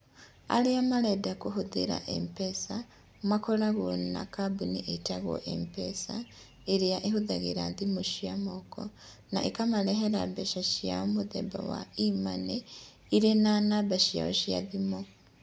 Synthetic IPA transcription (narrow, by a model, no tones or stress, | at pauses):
a̰liamaledakuɦuðiɾa̰ʔḛmpesa | umakolaɣunna̰kabuniʔetaɣwo̰ʔempesa̰ | eɾijaʔihuðaɣḭɾaðimuʃiamoko̰ | naʔikamaleɦeɾa̰beʃaʃijaomuðḛba̰wa̰imane | iɾenanabaʃia̰oʃia̰ðimo